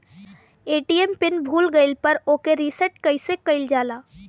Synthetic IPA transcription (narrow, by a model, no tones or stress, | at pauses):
eːʈiɛmpɪnbʱuːlɡəɪlpəɾoːkeɾisəʈkəɪsekəɪld͡ʒaːlaː